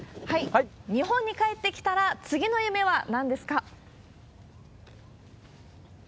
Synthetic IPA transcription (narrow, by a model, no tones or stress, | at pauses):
haiɲ̟iɦõ̞ɲ̟ːikae̞t̪ːe̞kʲi̥t̪aɾat͡sɨɡʲino̞jɯ̟me̞βanãnd̪e̞sɨ̥ka